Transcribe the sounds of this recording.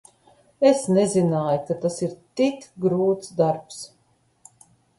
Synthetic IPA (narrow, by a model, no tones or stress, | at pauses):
esnezinaːjukat̪asiɾt̪ikɡɾuːt̪sd̪aɾps